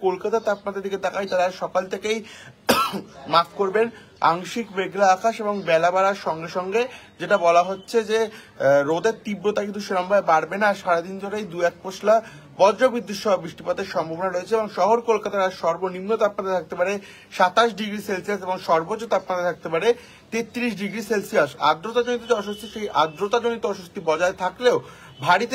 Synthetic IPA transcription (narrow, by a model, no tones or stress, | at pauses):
kolkat̪at̪apmat̪ːeɾd̪iked̪akajt̪aɾaʃɔkalt̪ʰekej | mapʰkoɾben | a̰ŋʃikbeɡlaakʰaʃeboŋbɛlabaɾaɾʃɔŋɡeʃɔŋɡe | d͡ʑeʈabɔlaɦotːɕʰed͡ʑe | ɾod̪eɾt̪ibɾot̪akint̪uʃeɾambaebaɽbenaʃaɾad̪ind͡ʑʰʱoɾejd̪uɛk̚pot͡ɕʰla | bɔd͡ʑɾobɾid̪ʱːut̪ʃɔbabɾiʃʈipad̪eɾʃɔmbʱabonaɾoet͡ɕʰeeboŋʃɔɦoɾkolkat̪aɾaʃɔɾbonimnot̪ap̚nad̪at̪ʰak̚t̪epaɾe | ʃat̪aʃ̬ɖiɡɾiselsijaseboŋʃɔɾbot͡ɕːot̪apnat̪at̪ʰak̚t̪epaɾe | t̪et̪ːɾiʃ̬ɖiɡɾiselsijasa̰d̪ɾot̪ad͡ʑonit̪̬ot̪ɔʃost̪iʃejʔad̪ɾot̪ad͡ʑonit̪oɔʃost̪ibɔd͡ʑaet̪ʰakleo | bʱaɽit̪e